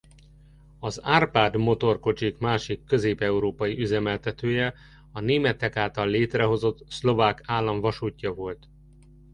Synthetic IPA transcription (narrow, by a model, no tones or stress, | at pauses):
ɒzaːrpaːd̪mo̞t̪o̞rko̞t͡ʃikmaːʃikːø̞zeːpɛuɾoːpɒjiʔyzɛmɛlt̪ɛt̪øːjɛ | ɒneːmɛt̪ɛkaːt̪ɒlːeːt̪rɛɦo̞zo̞t̪slo̞vaːkaːlːɒɱvɒʃuːcːɒvo̞lt̪